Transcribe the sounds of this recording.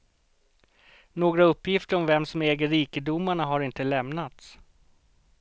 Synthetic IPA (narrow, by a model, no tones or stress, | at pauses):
noːɡɾaɵpːjɪft̪əɾɔmvɛmsɔmɛːɡəɾiːkəd̪ʊmaɳaɦaɾɪnt̪əlɛmnat̪s